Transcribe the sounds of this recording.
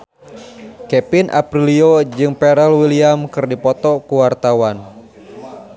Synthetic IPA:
kɛpinʔa̰pɾiliod͡ʒɨŋpɛɾɛlwiliamkɨrdipɔt̪ɔkuwart̪awan

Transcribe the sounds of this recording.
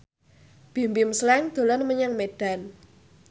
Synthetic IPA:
b̥i̤mbimslɛŋd̪̥o̤lɔnməɲaŋmeɖ̥a̤n

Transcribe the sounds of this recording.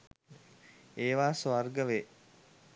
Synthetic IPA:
eːʋaːsʋarɡəʋe

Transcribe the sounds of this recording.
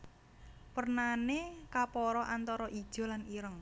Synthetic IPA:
pərnanekapɔɾɔʔant̪ɔɾɔʔid̥ʒ̥ɔ̤laniɾəŋ

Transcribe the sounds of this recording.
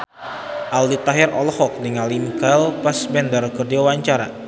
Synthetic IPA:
ʔaldit̪aɦɪrɔ̰lɔhɔk̚diŋalimkalpasbɛndərkərdiwawaɲt͡ʃaɾa̰

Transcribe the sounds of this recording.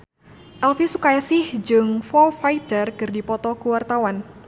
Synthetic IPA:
ʔɛlfisukajasɪhd͡ʒɨŋfɔlfait̪ərkɨrdipɔt̪ɔkuwart̪awan

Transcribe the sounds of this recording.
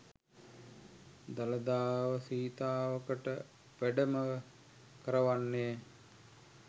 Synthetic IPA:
d̪aləd̪aːʋəsiːt̪aːʋəkəʈə | ʋæɖəmə | kəɾəʋanːe

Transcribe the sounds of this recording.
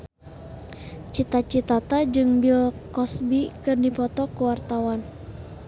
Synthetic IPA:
t͡ʃit̪at͡ʃit̪at̪ad͡ʒɨŋbilkɔsbikɨrdipɔt̪ɔkuwart̪awan

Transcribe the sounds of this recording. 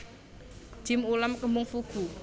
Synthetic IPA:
ʒ̥ɪ̤mulamkəmʊŋfuɡ̥u

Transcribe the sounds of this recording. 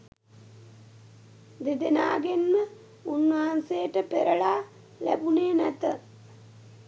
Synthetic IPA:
d̪ed̪enaːɡenmə | unʋaɦansejəʈəpeɾəɭaː | læ̰buneːnæt̪ə

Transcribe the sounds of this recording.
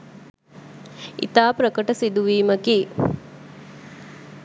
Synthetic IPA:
ʔḭt̪aːpɾəkəʈəsid̪uʋiːməkiː

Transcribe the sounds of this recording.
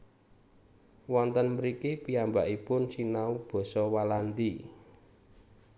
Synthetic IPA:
wɔnt̪ənməɾikipiambaʔipʊnt͡ʃinaub̥ɔ̤sɔwaland̪i

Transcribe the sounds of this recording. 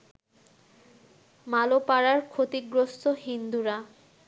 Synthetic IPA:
malopaɾaɾkʰot̪iɡɾost̪oɦind̪uɾa

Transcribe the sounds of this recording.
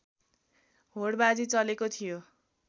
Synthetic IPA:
ɦoɽbad͡zit͡sʌlekot̪ʰijo

